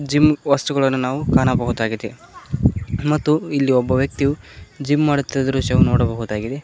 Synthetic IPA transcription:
d͡ʒimʋɐst̪uɡɐɭɐnːunaːʋukaːnɐbɐɦud̪aːɡid̪e | mɐt̪ːuilːiɔbːɐʋjɐk̚t̪iju | d͡ʒimmaːɽut̪ːɐd̪ɐɾuːʃɐʋunoːɽɐbɐɦud̪aːɡid̪e

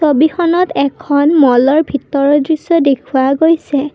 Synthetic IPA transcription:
sobixɔnɔtɛkʰɔnmɔlɔɹbʱitɔɹɔdɹisɔdekʰuaɡojsɛ

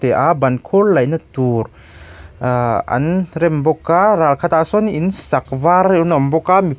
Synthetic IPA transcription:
t̪ɛʔabankʰollajnɯt̪uɾ | a̰nɾɛmbɔkaɾalkʰat̪asɔninsak̚vaɾunɔmbɔkami

